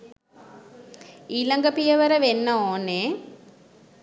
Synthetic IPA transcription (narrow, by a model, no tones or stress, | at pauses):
iːlɐŋɡɐpijɐʋɐɾɐʋenːɐoːne